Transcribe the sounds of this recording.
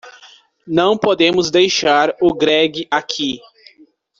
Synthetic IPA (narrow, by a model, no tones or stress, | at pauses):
nɐ̃w̃pod̪ẽmʊzd̪ejʃaɾʊɡɾɛɡɪʔakʰi